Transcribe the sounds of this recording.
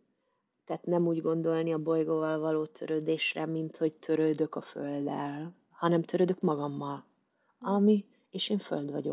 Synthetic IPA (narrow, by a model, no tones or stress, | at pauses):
t̪ɛːt̪nɛmuːɟɡo̞nd̪o̞lniɒbo̞jɡoːvɒlvɒloːt̪ʰø̞̰ɾøːd̪eːʃrɛmint̪ho̞ct̪ʰø̞ɾøːd̪ø̞kɒføld̪ɛ̰l | hɒnɛmt̪ʰøɾød̪ø̞kmɒɡɒmːɒl | ɒmi | eːʃeːɱføld̪vɒɟo̞̰